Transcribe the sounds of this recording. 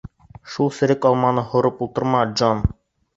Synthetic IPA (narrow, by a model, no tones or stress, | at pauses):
ʃulˠsɘ̆ɾɘkɒlˠmɑnɤhŏɾɤpulˠt̪ɤ̆ɾmɑd͡ʒon